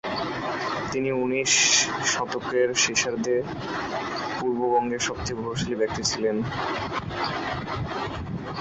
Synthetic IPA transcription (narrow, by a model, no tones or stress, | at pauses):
t̪iniuniʃːɔt̪okeɾʃeʃaɾd̪e | puɾbobɔŋɡeɾʃɔb̚t̪ʰibʱoʃalibɛk̚t̪it͡ɕʰilen